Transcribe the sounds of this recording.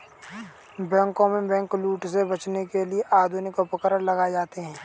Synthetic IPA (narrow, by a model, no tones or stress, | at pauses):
bɛ̃ːŋkõmẽbɛ̃ːŋkluːʈsebɐt͡ʃnekelieʔaːd̪ʱuːnɪkopʊkəɾəɾlɐɡad͡ʒaːt̪eɦɛ̃ː